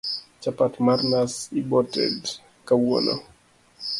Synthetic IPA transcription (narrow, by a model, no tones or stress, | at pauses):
t͡ʃapatmarnasibɔtɛ̰d | kawɔ̰no̰